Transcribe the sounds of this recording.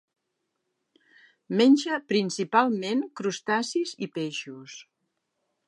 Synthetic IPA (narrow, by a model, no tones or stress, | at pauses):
menʲʒəpɾinsipalˠmeŋkɾust̪asizipeʃus